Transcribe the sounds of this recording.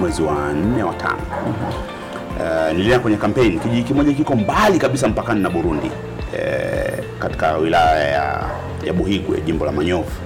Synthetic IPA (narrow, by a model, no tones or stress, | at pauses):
wɛziwan̩nɛwatʰa̰nɔ̰ | niliɛnakwɛɲɛkam̩pɛnikiʄikimɔʄakikɔmbalikaɓisam̩pakaninaɓuɾundḭ | kati̥kawilajaja̰ | ja̰ɓuhikuɛ̰ʄimbɔlamaɲɔvu